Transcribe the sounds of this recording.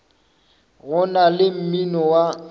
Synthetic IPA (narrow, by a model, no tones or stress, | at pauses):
ɣʊnalɪm̩minɔwa